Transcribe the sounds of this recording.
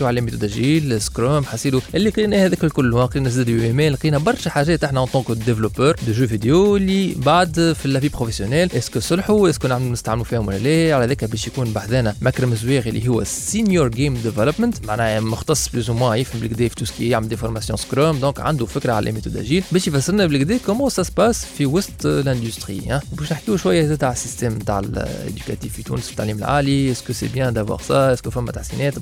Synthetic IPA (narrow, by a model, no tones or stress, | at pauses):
uʕalɛmit̪ud̪æʒiːlskɾoːmħasiːd̪uʔɪlːiqinæhɛðɛːkælkʊlːhʊwæqiːnæsd̪æd̪emɛːlqiːnæbɑɾˤʃæħaʒɛːt̪ʔaħnæɑ̃t̪ɑ̃ːkd̪evlopœːɾd̪əʒøvid̪ejoɪlːibaʕd̪filːæbiːbpχofesjonɛlʔɪskəsˤʊlħuɪsknɪʕmlunɪst̪aʕɪmmufiːhʊmwɪlælɛːʕalæðɛːkæbɛːʃjækuːnbaʕd̪ɛːnæmækɾɪmɪzwɛːɣʔɪlːḭɦʊwːæ̰sinjuɾɡemd̪evɛləpmənt̪maʕnæːmʊxt̪ɑsˤːblyːzumwɛ̃jɪfhæmbɪlɡd̪ɛːfi̥t̪uskijaʕməld̪efɔɾˤmasjɔ̃skɾoːmd̪ɔ̃ːkʕa̰nd̪ufɪkɾaʕa̰lʔæ̰met̪ud̪æ̰ʒiːlbɛːʃjfæsːɪɾnæbɪlɡd̪ɛːkomɑ̃sæspaːsfiwʊst̪læ̃nd̪yst̪χḭhæ̃ːwbɛːʃnɪħkiʃwæjːæzt̪aːʕəsːist̪ɛːmt̪a̰ːʕɪ̰lḛd̪yka̰t̪iːffit̪ṵːnəsfi̥t̪ːaʕliːmɪlʕa̰ːliɪskəsḛbjɛ̃d̪awa̰ːʁsɑʔɪskəfæmːæt̪aħsḭnɛːt̪